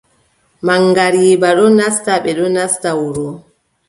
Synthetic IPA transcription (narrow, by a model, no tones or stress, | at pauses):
maŋːɡaɾiːbaɗɔnastaɓɛɗɔnastawɔɾɔ